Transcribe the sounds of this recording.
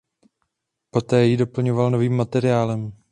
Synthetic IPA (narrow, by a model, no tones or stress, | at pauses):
po̞t̪ɛːjɪdo̞pl̩ɲo̞valno̞viːmːat̪ɛɾɪaːlɛm